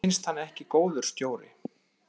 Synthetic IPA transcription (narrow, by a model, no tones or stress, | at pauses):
ɪnst̪hanːɛhcɪkoːwðʏɾ̥st̪joːwɾɪ̰